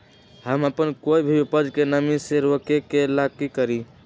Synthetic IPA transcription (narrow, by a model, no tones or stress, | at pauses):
həməpənkoibʱiipəd͡ʒkenəmiseɾokekelakːikəɾi